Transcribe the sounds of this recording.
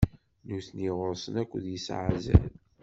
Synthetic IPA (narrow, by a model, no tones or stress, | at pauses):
nuθniʁəɾsˤənækʷːðjəsʕzæ̰l